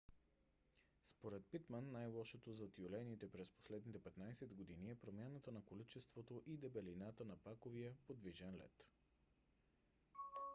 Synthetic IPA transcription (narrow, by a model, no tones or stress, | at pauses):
spoɾɛt̪̚pit̪mənːajlˠɔʃot̪ozɐt̪iolɛnit̪ɛpɾɛspo̥slɛd̪nit̪ɛpɛt̪najsɛd̪ɡod̪iniɛpɾomʲjanət̪ənɐkolit͡ʃɛst̪vot̪oʔid̪ɛbɛlinat̪ənɐpakoviəpod̪viʒɛnlɛ̰t̪